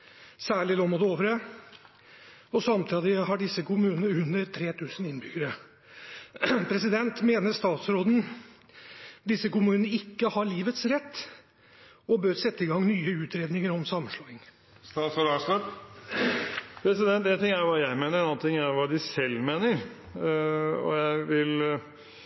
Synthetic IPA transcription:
sæːɭɪloːmod̪əoːʋəɾə | ɔsɑmt̪ʰɑd̪ɪhɑɖɪsːəkʊmʉːnnəʉnːəɾt̪ʰɾeːt̪ʰʉːsən̩ɪnbʏɡəɾə | pʰɾɛsɪd̪ɛnt̪meːnəɾst̪ɑːt̪sɾoːd̪n̩ | d̪ɪsːəkʊmʉːnəɪkːəhɑɭiːʋət̪sɾɛt̪ː | ɔbøːɾsɛt̪ːəɪɡɑŋnyːəʉːt̪ɾeːd̪nɪŋəɾɔmsɑmːʂɭɑːɪŋ | st̪ɑt̪sɔɾɑːsɑp | pʰɾɛsɪd̪ɛnt̪ɛnt̪ʰɪŋːæɾʋɑːjæɪmeːnəɾɛnɑːnt̪ʰɪŋæjʋɑːd̪ɪsɛlːmeːnəɾ | ɔ̰jæɪʋɪl

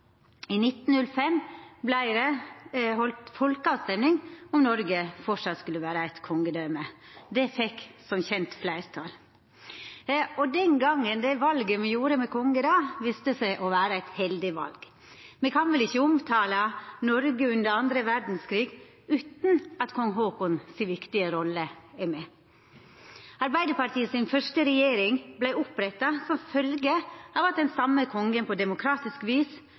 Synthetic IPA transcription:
ɪnɪt̪ːn̩nʉlfɛmblæɪɾɛɦɔlt̪fɔlkəɑt̪st̪ɛmnɪŋɔmnɔɾɡəfɔʂɑt̪skʉlːəʋæːɾəæɪt̪kʰɔŋːəd̪œʏmə | d̪ɛfɛksɔmçɛnt̪flæɪɾt̪ʰɑl | ɔd̪ɛnɡɑŋːənd̪ɛʋɑlɡəmɛjuːɾəmɛkʰɔŋːəd̪ɑʋiːst̪əsæɪʔɔʋæːɾəæɪt̪hɛld̪ɪʋɑ̰lɡ̥ | mɛkʰɑnʋɪlɪçːəʊmt̪ʰɑːlɑnɔɾɡəʉnd̪əɾɑnd̪ɾəʋæɾd̪n̩skʰɾiːɡ | ʉːt̪n̩ɑt̪kʰɔŋɦoːkʊnsiʋɪkt̪ɪəɾɔlːəæmɛ | ɑɾbæɪd̪əpɑɾt̪ʰiːəsɪnfœʂʈəɾɛjeːɾɪŋblæɪʊpɾɛt̪ːɑsɔmfœlɡəɑːʋɑt̪̚d̪ɛnsɑmːəkʰɔŋɡənpʰɔd̪ɛmʊkʰɾɑːt̪ɪskʋiːs

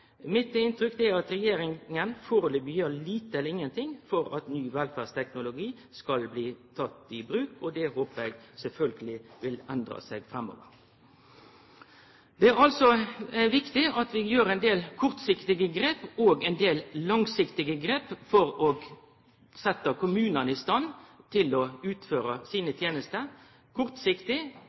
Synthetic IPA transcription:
mɪt̪ɪnt̪ɾʏkd̪ɛæɾɑt̪ɾɛjeːɾɪŋənfoːɾlɪbjøːliːt̪əɛlːəʁɪŋːənt̪ʰɪŋfɔɾɑt̪nyːʋɛlfæːʁst̪ʰɛknʊlʊɡiː | skɑlbliːt̪ʰɑt̪ːɪbɾʉːkɔd̪ɛhoːpəɾɛɪɡsɛlfœlɡəlɪʋɪlænd̪ɾɑ̰sɛɡfʁɛmːɔ̰ːʋə̰ɾ | d̪̥ɛæɾɑlsɔæʋɪkt̪ɪɑt̪ʋɪjøːɾɛɪnd̪eːlkʰʊʁt̪sɪkt̪ɪɡəɡɾeːpoːɡɛnd̪eːllɑŋsɪkt̪ɪɡəɡɾeːpfɔɾɔɡ | sɛt̪ːəkʰʊmʉːnənəɪst̪ɑnt̪ʰɪlɔʉːt̪føːɾəsiːnət̪ʰjeːnəst̪ə | kʰʊʁt̪sɪkt̪ɪ

